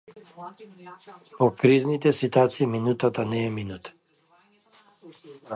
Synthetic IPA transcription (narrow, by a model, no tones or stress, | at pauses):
pɔkɾiznit̪ɛsit̪at̪siːminut̪at̪anɛːminut̪